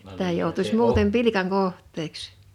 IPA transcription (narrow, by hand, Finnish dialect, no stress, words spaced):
sitæ joutusʲ muːtem pilikɑŋ kohˑtˑeːks